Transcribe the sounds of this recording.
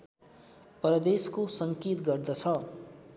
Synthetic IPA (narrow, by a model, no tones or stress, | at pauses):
prʌd̪eskosʌŋkit̪ɡʌrd̪ʌt͡sʰʌ